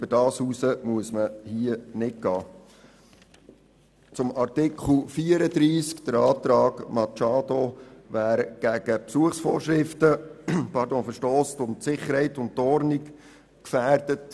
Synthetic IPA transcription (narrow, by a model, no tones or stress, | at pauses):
b̥ədɑːshuːsəmuəsməhiənɪtɡɑː | t͡sʊmɑɾtɪkχl̩fiːəɾədɾiːskd̥̪əɾɑːtɾɑːɡ̥mɑt͡ʃɑːd̪oʋæːɾɡ̥æɡ̥əpsuəχsfɔːɾʃɾɪftəpʰɑɾdõːfəɾʃtɔːstʊmtsɪχəɾhɛɪtʊntːɔɾniɡ | kfæːɾd̥ət